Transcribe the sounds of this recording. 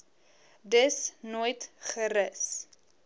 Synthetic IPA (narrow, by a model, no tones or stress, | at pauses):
dəsnuːjtχəɾəs